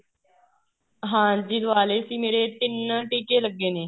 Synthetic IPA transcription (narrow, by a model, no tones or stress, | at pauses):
ɦãːd͡ʒiːd̪ʊaːleːsiːmeːɾeːt̪ɪnʈiːkeːləɡːeːneː